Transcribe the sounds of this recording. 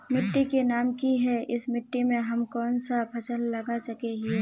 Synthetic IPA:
mɪʈːikenaːmkiɦɛɪsmɪʈːimẽɦɐmkɔːnsapʰɐsəlːɐɡasɐkeɦi

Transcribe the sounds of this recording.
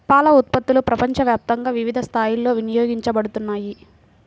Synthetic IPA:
paːlɐut̪̚pɐt̪ːulupɾɐpɐɲt͡ʃɐʋjaːp̚t̪ɐŋɡaːʋiʋid̪ʱɐst̪ʰaːjilːo̞ːʋinijoːɡiɲt͡ʃɐbɐɽut̪unːaːji

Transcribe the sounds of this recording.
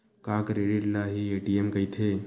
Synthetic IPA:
kakɾeɽiʈlaɦieʈiemkəjt̪ʰe

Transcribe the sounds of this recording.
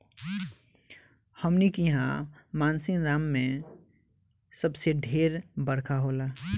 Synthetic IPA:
həmnikiɦã̰maːnsɪnɾaːmːẽ | səbseɖʱeːɾbəɾkʰaɦola

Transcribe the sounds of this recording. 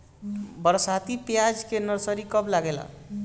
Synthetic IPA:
bəɾsat̪ipjad͡ʒkenəɾsəɾikəblaɡela̰

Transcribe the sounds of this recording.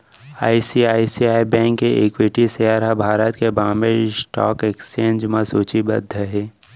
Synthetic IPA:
a̰ːisiaːisiaːibɛ̃ːŋkːeʔekwɪʈisjaːɾabʱaːɾət̪kebaːmesʈɔ̰ːkekst͡ʃẽːnd͡ʒmãsuːt͡ʃibɐd̪ʱːəɦeː

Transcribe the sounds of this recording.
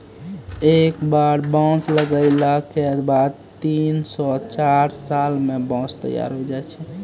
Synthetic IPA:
ekbaɽbɔ̃sləɡəɪlakebad̪t̪insɔt͡ʃaɾsalmebɔ̃st̪ə̰ja̰ɾɦod͡ʒajt͡ʃʰɛ

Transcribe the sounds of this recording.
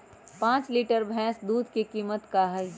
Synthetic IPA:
pãːt͡ʃliːʈəɾbʱɛ̃ːsd̪uːd̪ʱkikiːmət̪kaɦəj

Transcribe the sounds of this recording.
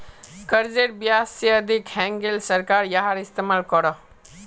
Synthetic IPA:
kəɾd͡ʒeɾbjasiəd̪ʱikhɛ̃ŋɡelsəɾkaɾjaɦaɾist̪emalkɔɾɔ

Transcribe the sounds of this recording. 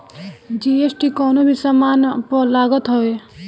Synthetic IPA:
d͡ʒiːesʈikɔːnobʱisamaːnpolaːɡət̪ɦoe

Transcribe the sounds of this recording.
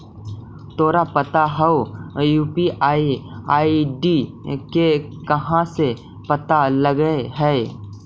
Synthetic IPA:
t̪oːɾapɐt̪aɦɛojuːpiaːiaːiɖikekɐɦãse | pɐt̪aləɡəeɦɛː

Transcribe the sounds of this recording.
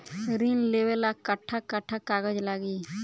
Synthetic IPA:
ɾinlewelakəʈʰːakəʈʰːakaːɡəd͡ʒlaːɡiː

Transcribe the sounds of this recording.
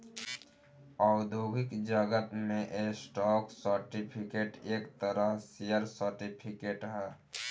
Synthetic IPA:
ɔːɡd̪ʱoɡikd͡ʒəɡət̪mẽʔesʈɔːksəɾʈipʰikeːʈeːkt̪əɾəɦsijəɾsəɾʈipʰikeːʈɦɛː

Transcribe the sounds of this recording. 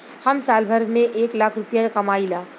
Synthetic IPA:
hɐmsaːlbʱəɾmẽʔeːklaːkʰɾʊpjakɐmaːilaː

